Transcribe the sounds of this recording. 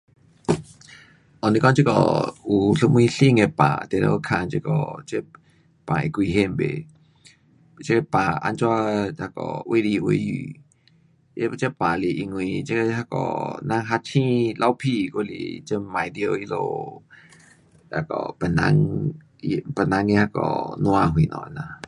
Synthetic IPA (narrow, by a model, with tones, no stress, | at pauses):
ʔɔ˨nĩ˧kɔ˦ŋt͡ʃə˦kɔ̰˨u˨ɬə˧mwĩ˦ɬi˦˧˨ŋe˧pã̰˨t̪e˨lo˧˦˧kʰã˧˨nt͡ʃe˧˦kɔ̰˧˨t͡ʃe˦ | pã̰˨ḛ˧˨kʷi˧ɦe˧˨mbḛ˨ | t͡ʃe˦˧pã˨ʔa̰˧˦nt͡ʃa˦a˧kɔ̰˨wʔe˦li˧˨ʔwe˧˦jḭ˧˨˧ | t͡ʃe˦pã˨li˨ʔi˧ŋwĩ˧t͡ʃe˦˧ha˧kɔ̰˨nã˧˦ŋɦa˧t͡ʃʰĩ˦lʔa˧˦wpʰi˧ko˧lḭ˨t͡ʃə˦mã˨jd̪jo˧i˧˦lo˧˨ | a˧˨kɔ̰˨pə˨nã̰˧ŋ˧ | pə˨nã˧ŋi˧ha˧kɔ̰˧˨nũ˧a˧ɦwĩ˨nɔ̰̃˧˨˧nã˨